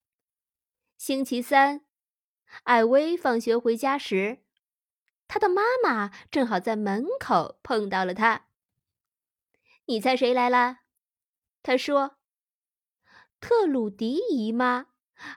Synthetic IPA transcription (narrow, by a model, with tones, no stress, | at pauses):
ɕi˥ŋt͡ɕʰi˧˥sa˥n | a˥˩ɪwe˥ɪfɑ˥˩ŋɕɥɛ˧˥xwe˧˥ɪt͡ɕja˥ʂɻ̩˧˥ | t̪ʰa˥d̪ə˨ma˥ma˨˩ʈ͡ʂɤ˥˩ŋxɑ˨˩ʊt͡sa˥˩ɪmə˧˥nkʰo˨˩ʊpʰɤ˥˧ŋt̪ɑ˥˩ʊlə˩t̪ʰa˥ | ni˨˩t͡sʰa˥˩ɪʂe˧˥ɪla˧˥ɪlə˧ | t̪ʰa˥ʂwɔ˥ | t̪ʰɤ˥˧lu˨˩t̪i˧˥i˧˥mɐ˧